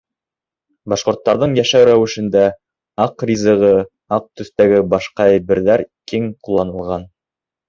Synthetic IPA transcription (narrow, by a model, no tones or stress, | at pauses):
bɑʃqŏɾt̪ːɑɾðɤɴjæʃæwɾæwɘ̆ʃɘ̆nd̪æ | ɑqrʲizɤ̆ʁɤ | ɑq̚t̪ɵ̆θt̪æɡɘbɑʃqɑæjβɘ̆ɾðæɾkiŋqulˠːɑnɤ̆lˠʁɑn